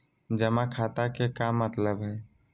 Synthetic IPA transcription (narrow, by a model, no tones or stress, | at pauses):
d͡ʒəmakʰat̪akekamːət̪ləbɦɛ